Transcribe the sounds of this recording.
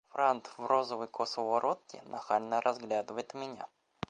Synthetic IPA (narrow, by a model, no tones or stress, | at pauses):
fɾant̪vrozəvəjkʰosvvɐɾot̪̚kʲɪ̰nɐxalʲnəɾʔɐzɡlʲad̪ɨvəjɪt̪mʲɪnʲa̰